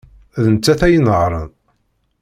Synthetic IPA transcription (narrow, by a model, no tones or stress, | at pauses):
ðənt͡sːæθæjənəʁɾˤə̰n